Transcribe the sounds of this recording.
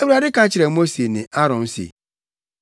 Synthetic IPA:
e˦bu˦ɾa˨dɪ˦kã˨˦t͡ʃɪ˨ɾe˨mo˦se˨nɪ̰̃˨ʔa˦ɾɔ̃˨n̩˦sḛ˨

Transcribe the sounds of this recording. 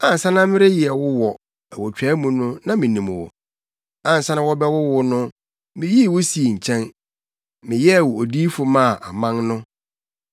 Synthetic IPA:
ã˨n̩˨sa˦nã˦mɪ̃˦ɾe˦jɪ˨ɛ˨wʊ˦wɔ˨ | æ˨wɔ˨t͡ɕᶣaː˨˦mũ˦nʊ̃˦nã˦mɪ̃˨nĩ˨m˨wɔ̰˨ | ã˨n̩˨sa˦nã˦wɔ˦bɛ˦wʊ˦wʊ˦nʊ̃˦ | mɪ̃˦ji˦˨wʊ˦si˨e˨ɲ̩˨t͡ɕʰɛ̃˦n | mɪ̃˨jɛ˦˨wʊ˨o˨diː˦fʊ˦mã˦˨ʔa˨mã˦nnʊ̃˦

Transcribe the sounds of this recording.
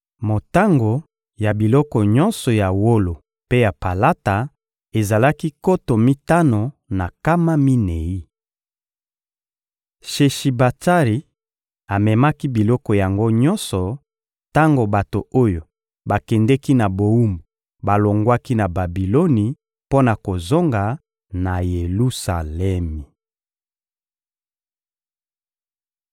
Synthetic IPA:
mo˨ta˦ŋɡo˨ | ja˨bi˨lɔ˦kɔ˨ɲɔ˦nsɔ˨ja˨wo˦lo˨ | pe˦ja˨pa˨la˦ta˨ | e˨za˨la˦ki˦ko˦to˨mi˦ta˦no˨na˨ka˦ma˦mi˦ne˨i˦ | ʃe˨ʃi˨ba˨ta˦ʁi˨ | a˨mɛ˨ma˦ki˦bi˨lɔ˦kɔ˨ja˨ŋɡo˦ɲɔ˦nsɔ˨ | ta˦ŋɡo˨ba˨to˨o˦jo˨ | ba˨kɛ˨ndɛ˦ki˦na˨bo˨u˦mo˨ | ba˨lo˨ŋɡwa˦ki˦na˨ba˨bi˨lo˦ni˨ | po˦na˨ko˨zo˦ŋɡa˨ | na˨je˨lu˦sa˨lɛ˦mi˨

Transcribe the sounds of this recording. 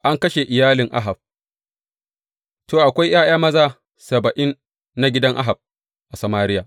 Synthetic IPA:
ʔa˦ŋkɐ˦ʃe˨ʔɪ˨jaː˦lɪ˨ŋʔa̰˦ɦa˨b̚ | toː˨ʔa˨kʷa˦jj̰aː˦j̰aː˦mɐ˦zaː˦ | sɐ˨bɐ˨ʔɪ˦nː | a˨˦ɡʲɪ˦dɐ˦ŋʔa̰˦ɦa˨b̚ | ʔa˨sɐ˨maː˦ɾɪ˦jaː˨

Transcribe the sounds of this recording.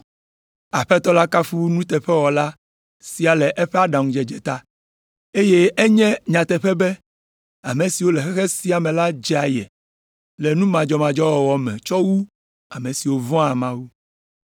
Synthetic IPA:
a˨ɸɛ˦t̪ɔ˦la˦ka˦fu˦wnũ˦t̪ɛ˨ɸɛ˦wɔ˨la˦ | si˨a˨lɛ˨ʔɛ˦ɸɛ˦a˦ɖã˨ŋũ˦d͡ʒɛ˨d͡ʒɛ˨t̪a˦ | e˦je˦ʔɛ˦ɲɛ̃˦ɲã˨t̪ɛ˨ɸɛ˦bɛ˦ | a˨me˨si˨wo˦lɛ˨xɛ˦xɛ˦si˦a˨mɛ̃˨la˦d͡ʒɛ˦a˨jɛ̰˨ | lɛ˨nũ˦mã˨d͡ʒɔ˦mã˨d͡ʒɔ˦wɔ˨wɔ˨mɛ̰̃˨t͡ʃɔ˦wu˦ | a˨mẽ˨si˨wo˦vɔ̃˦a˨mã˦wu˦

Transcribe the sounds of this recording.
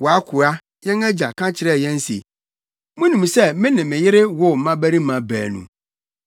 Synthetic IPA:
wɔ˨a˦kʰʊ˨a˦ | jɛ̃˦ŋɛ˦d͡ʑa˨kʰã˦t͡ɕʰɪ˨ɾɛ˦˨jɛ̃˦n̩˦sḭ˨ | mʊ̃˦nũ˨m˨sɛ˦mɪ̃˦nɪ̃˨mɪ̃˨jɪ˦ɾɪ˦wʊ˦m̩˨˦mã˦bæ˦ɾi˦mã˨bæː˨nṵ̃˨

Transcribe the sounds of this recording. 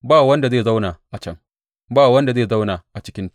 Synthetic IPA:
baː˦˨wɐ˦nda˨zeː˦˨za˦wnaː˨ʔa˨t͡ʃɐ˦ŋ | baː˦˨wɐ˦nda˨zeː˦˨za˦wnaː˨ʔa˨t͡ʃɪ˦kʲɪ˦n

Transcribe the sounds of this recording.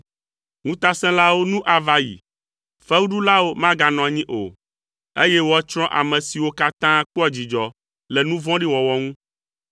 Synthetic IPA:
ŋũ˦t̪a˦sɛ̃˦la˦wo˦nũ˦ʔa˨va˨jḭ˨ | fɛ˦wu˦ɖu˦la˦wo˦mã˦ɡa˨nɔ̃˨a˨ɲĩ˦ʔo̰˨ | e˦jɛ˦wo˦a˦t͡ʃɾ̃ɔ̃˦ʔa̰˨mɛ̃˨si˨wo˦ka˦t̪ã˦k͡pɔ˦a˨d͡ʑi˨d͡ʒɔ˨ | lɛ˨nũ˦vɔ̃˦ɖi˦wɔ˨wɔ˦ŋũ˦

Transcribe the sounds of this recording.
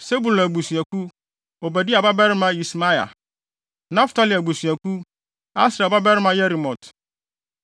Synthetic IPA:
se˦bu˨læ˨ɡ͡bu˨sɥæ˨ku˦ | o˨bæ˨di˦a˨ba˦bɛ˦ɾɪ˦mã˦ji˨sma˦ja̰˨ | nã˦ftʰa˦li˨a˨bu˨su˨æ˨ku˦ | a˦sɾa˨ba˦bɛ˦ɾɪ˦mã˨˦jɛ˦ɾi˨mɔ̃˨t

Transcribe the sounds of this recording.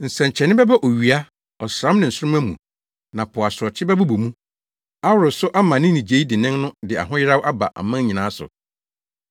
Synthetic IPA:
n̩˨sɛ̃˨ɲ˨t͡ɕʰɛ˨nɪ̃˦bɛ˦ba˦ʔo˨ɥi˨a˦ | ɔ˨sɾã˦mnɪ̃˨n̩˨sʊ˦ʊ˦æ˦mṵ̃˨ | nã˨pʰʊ˨a˨sɔ˨t͡ɕʰɪ˦bɛ˦bʊ˦bu˨mũ˦ | a˦wʊ˨ɾʊ˨sʊ˦ʔa˦mã˨nɪ̃˦nĩ˨d͡ʑe˨˦i˦dɪ˨nɪ̃˦ŋnʊ̃˦dɪ˨a̰˨ɦʊ̃˦jɪ˦ɾa˦wa˦ba̰˨ʔa̰˨mã˦ɲĩ˨nãː˨˦sʊ̰˨

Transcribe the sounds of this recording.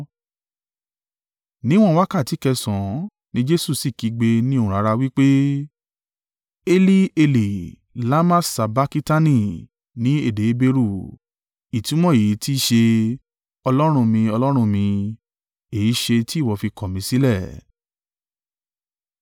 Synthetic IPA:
nĩ˦w̃ɔ̃˦wa˦ka˦˨ti˨˦kɛ˧sɔ̃˨ | nĩ˦d͡ʒe˦su˦˨si˦˨ki˨˧ɡ͡be˧nĩ˦o˦˧ũ˨ɾa˨˧ɾa˧wi˦k͡pe˦ | e˧li˦e˧li˨ | la˦mã˦sa˧ba˦ki˦ta˦nĩ˦˨ | nĩ˨˦e˦˨de˨˦be˧ɾu˦˨ | i˨tĩ˨˦w̃ɔ̃˦e˨i˨˦ti˦˨ʃe˧ | ɔ˧lɔ˦ɾ̃ũ˧mĩ˧ɔ˧lɔ˦ɾ̃ũ˦˧mĩ˧ | e˨i˨˦ʃe˧ti˦˨wɔ˧fi˧kɔ˨mĩ˧si˦lɛ˦˨

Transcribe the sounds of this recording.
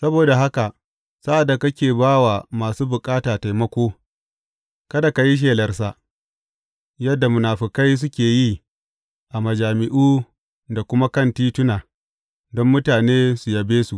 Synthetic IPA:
sɐ˦boː˨da˨ɦa˦ka˨ | sa˦ʔa˨dːa˨kɐ˦kʲeː˨baː˦waː˨maː˨suː˦bʊ˨kʼaː˦taː˨ta˨jmɐ˦kʷoː˦ | kɐ˦da˨ka˨ji˦ʃ̬eː˨lɐ˨rsa˦ | jɐ˦dːa˨mʊ˨naː˨ɸɪ˨ka˦js̬ʊ˦kʲeː˨ji˦ | ʔa˨mɐ˨d͡ʒaː˨mɪ˨ʔuː˦ | da˨kʷʊ˦ma˦kɐ˦˨ntiː˦tʊ˦naː˨ | dɔ˦mːʊ˦taː˨neː˦su˨jɐ˨beː˦su˨ʔ

